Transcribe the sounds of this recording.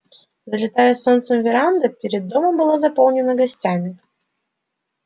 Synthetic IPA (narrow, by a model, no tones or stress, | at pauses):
zəlʲɪt̪ajəsont̪səmvʲɪɾand̪əpʲɪɾʲɪd̪ːoməmbɨlˠazɐpolˠnʲɪnəɡɐsʲtʲamʲɪ